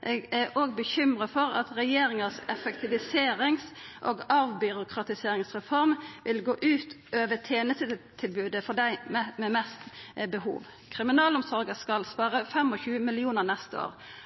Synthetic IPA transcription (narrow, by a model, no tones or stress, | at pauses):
ʔɛɡæʔoːɡbəçʏmʁəfɔɾɑ̰t̪ɾɛjeːɾɪŋəsɛfəkt̪ʰɪʋɪseːɾɪŋsʔɔːɡɑʋbʏɾʊkʰɾɑt̪ɪseːɾɪŋsʁɛfɔɾmʋɪlɡoːʔʉːt̪ | øːʋət̪ʰeːnəst̪əd̪ət̪ʰɪlbʉːd̪əfɔd̪æɪmɛmɛst̪bəhṵːʋ | kʰɾɪmɪnɑːlʊmsɔɾɡəskɑlspɑːʁəfɛmɔçʉːəmɪlɪuːnəʁnɛst̪əo̰ːʁ